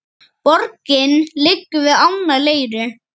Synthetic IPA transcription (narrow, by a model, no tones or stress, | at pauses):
pɔɾkɪnlɪkːʏvɪðawnaleːjɾʏ